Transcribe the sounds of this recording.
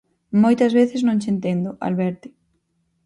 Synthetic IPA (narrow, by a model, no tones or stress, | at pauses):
mojt̪ɐzβeθɪznõŋt͡ʃent̪end̪ʊʔa̰lβɛɾt̪ɪ